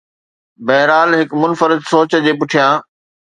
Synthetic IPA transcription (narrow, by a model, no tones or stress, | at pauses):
bɐɦɾaːlɦɪkmʊnfəɾɪd̪soːt͡ɕə̆d͡ʑeːpʊʈʰijãː